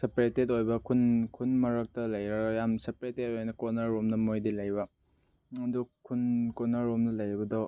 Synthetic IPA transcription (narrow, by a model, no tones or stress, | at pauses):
sepɾetet̬ojbɐkʰunkʰunmɐɾɐk̚tɐlɐjɾɐɡjamsepɾetet̚ojnɐkɔnaɾomnɐmojdilɐjbɐ | ɐdukʰunkɔnaɾomnɐlɐjbɐdɔ